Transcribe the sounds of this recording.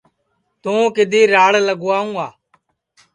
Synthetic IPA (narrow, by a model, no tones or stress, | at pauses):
t̪õːkɪd̪ʱiːɾaːɽləɡoaːũːaː